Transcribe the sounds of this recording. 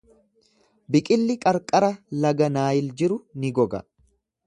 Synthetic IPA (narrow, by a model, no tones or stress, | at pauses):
bɪkʼɪlːɪkʼɐɾkʼɐɾɐlɐɡɐnaːjɪld͡ʒɪɾʊnɪɡɔɡɐ̰